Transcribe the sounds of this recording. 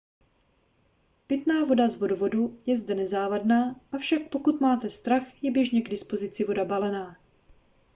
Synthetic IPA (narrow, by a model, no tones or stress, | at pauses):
pɪt̪naːvo̞dazvo̞dovo̞dujɛzdɛnɛzaːvadnaːʔafʃak̚po̞kut̪maːt̪ɛst̪ɾaxjɛbjɛʒɲɛɡdɪspo̞zɪt͡sɪvo̞dabalɛnaː